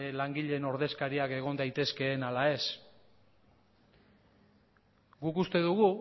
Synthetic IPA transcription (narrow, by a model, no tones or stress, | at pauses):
laŋɡiʎe̞no̞ɾðe̞skaɾiake̞ɣ̞o̞nd̪ajt̪e̞ske̞ːnalae̞s | ɡukust̪e̞ðuɣ̞u